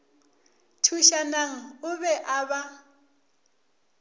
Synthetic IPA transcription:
tʰuʃanaŋ̩ʊβɛʔaβa

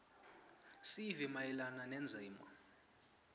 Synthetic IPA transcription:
sivimajɛlananɛnd͡zʱaːma̰

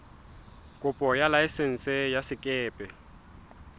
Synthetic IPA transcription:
kʼʊpʼɔjalaɪsen̩sɛjasɪkʼɛːpʼɛ

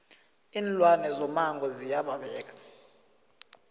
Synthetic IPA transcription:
iːnlwanɛzɔmaŋɡʱɔzijaɓaɓɛːk̬ḁ

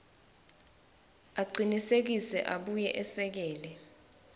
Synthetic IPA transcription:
aɡ͡ǀʱinisek̬isɛ̰ʔaɓujɛʔɛsɛk̬ɛːlɛ

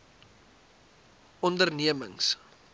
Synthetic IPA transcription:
ɔndərniəmə̰ŋs

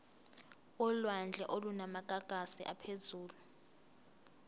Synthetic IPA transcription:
ɔlwand͡ɮʱɛʔolunamaɡ̥ʱaɡ̥ʱasiʔapʰezuːlu

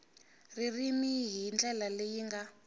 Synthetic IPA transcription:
ririmiɦind͡ɮɛlalejiŋɡa

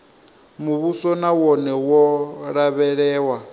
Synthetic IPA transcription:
muβusɔnawɔnɛwɔɺaβɛɺɛːwa

